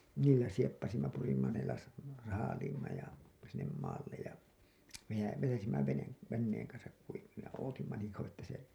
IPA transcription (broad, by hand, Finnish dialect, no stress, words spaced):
niːlːæ siepːɑsimːɑ purimːɑ ne lɑs sɑːliːmːɑ jɑ sinːem mɑːlːej jɑ ʋejæ ʋetæsimːæ ʋene ʋenːeːŋ kɑnsɑk kuiʋilːej jɑ oːtimːɑ niːŋ kɑuwɑ tːæ se